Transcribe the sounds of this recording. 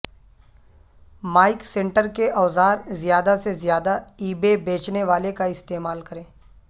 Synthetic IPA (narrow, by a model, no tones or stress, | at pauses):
maːɪksɛ̃ɳʈəɾkeʔɔːzaːɾzjaːd̪asezjaːd̪aiːbebeːt͡ʃneʋaːlekaɪst̪eːmaːlkɐɾẽː